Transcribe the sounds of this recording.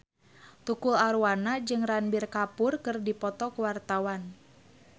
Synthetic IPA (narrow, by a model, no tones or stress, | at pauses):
t̪ukulaɾuanad͡ʒɨŋranbɪrkapʊrkɨrdipɔt̪ɔkuwart̪awan